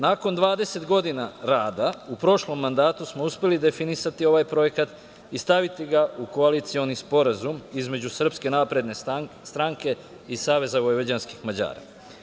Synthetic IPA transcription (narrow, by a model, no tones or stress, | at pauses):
nako̞nd̪ʋaːd̪e̞se̞t̪ɡo̞d̪inaɾaːd̪aupɾo̞ʃlo̞mːand̪aːt̪usmo̞uspʲe̞lid̪e̞finisat̪io̞ʋajpɾo̞je̞kat̪ | ist̪aʋit̪iɡauko̞alit̪sio̞nispo̞ɾazumizme̞d͡ʑusr̩pske̞naːpɾe̞d̪ne̞st̪ɾaŋke̞ | isaːʋe̞zaʋojʋad͡ʑanski̥xmad͡ʑa̰ːɾa̰